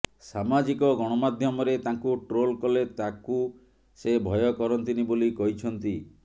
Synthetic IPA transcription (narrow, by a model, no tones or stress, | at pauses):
samad͡ʒikɔɡɔɽ̃ɔmad̪ʱjɔmɔɾet̪aŋkuʈɾolkɔlet̪aku | sebʱɔjɔkɔɾɔnt̪inibolikɔɦit͡ʃʰɔnt̪i